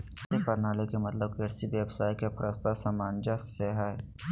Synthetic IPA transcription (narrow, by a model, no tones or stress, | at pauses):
tepɐɾnaːlekemɐt̪ləb̚keɾsiʋjeːbsaːikepʰɐɾʔəst̪asamaːnd͡ʒaseːɦaːe